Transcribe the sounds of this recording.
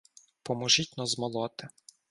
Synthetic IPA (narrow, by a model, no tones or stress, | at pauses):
pɔmɔʒitʲnɔzmɔlˠɔt̪ɪ